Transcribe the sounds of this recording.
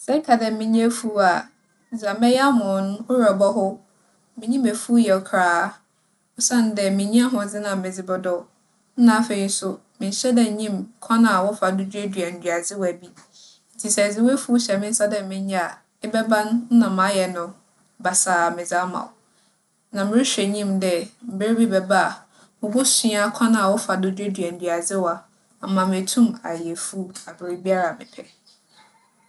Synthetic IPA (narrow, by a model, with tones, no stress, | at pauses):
sɛ˦kʰa˨dɛ˨mɪ̃˦ɲ˦a˦fu˦a˨ | d͡za˨mɛ˦ja˦mʊ̃˨˦ñ˦ʊ˦ɾa˨bɔ˦ɦʊ˦ | mɪ̃˨ɲĩ˦mæ˨fu˦jɛ˨kʰɾaː˦ | ʊ˦sã˦n˦dɛ˨mɪ̃˨ɲĩ˦a˦ɦʊ̃˨d͡zɪ˦nã˨mɪ̃˨d͡zɪ˨bɔ˨dɔ˦ | n̩˦nã˨˦fe˨i˨n̩˦sʊ˦ | mɪ̃˨n̩˦ɕɛ˦dɛ˨ɲĩ˦mkʰɔ̃˦nã˨wɔ˦fa˨du˦d͡ʑu˦æ˦dɥa˨n̩˨dɥa˨d͡zɪ˦wæ˨bi˦ | n̩˨tʰi˨sɛ˨d͡zɪ˨we˦fu˦ɕɛ˨mɪ̃˦n̩˦sa˦dɛ˨mɪ̃˦ɲ˦ɲa˦a˨ | ɪ˦bɛ˦bã˦n˦nã˨mã˨˦jɛ˨nʊ̃˨ | ba˨sa˨mɪ̃˨d͡za˦mã̰˨w | nã˨mɪ̃˦ɪ˦ɕᶣɛ˨ɲĩ˦mdɛ˦m̩˨be˦ɾbi˦bɛ˨ba˦a˨ | mʊ̃˨ɡʊ˦sĩ˦a˦kʷʰã˦nã˨a˨wʊ˦fa˨dʊ˦d͡ʑᶣe˦dɥæ˨n̩˨dɥa˨d͡zɪ˦wa˨ | a˨mã˨m˨e˨tʰũ˦ma̰˨jɛ˨fu˦a˨bɪ˨ɾi˨bi˦a˦ɾa˨mɪ̰̃˨pʰɛ˨